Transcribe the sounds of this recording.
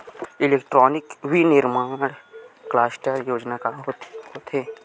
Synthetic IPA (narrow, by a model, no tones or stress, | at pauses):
ɪleːkʈɾɔːnɪkʋinɪɾmaːɽ̃klaːsʈəɾjoːd͡ʒnakaɦot̪ɦot̪ʰeː